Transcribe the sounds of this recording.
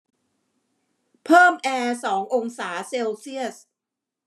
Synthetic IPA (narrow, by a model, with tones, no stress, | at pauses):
pʰɤː˥˩mʔɛː˧sɔː˩˦ŋʔo˧ŋsaː˩˦se˧wsi˥˩əs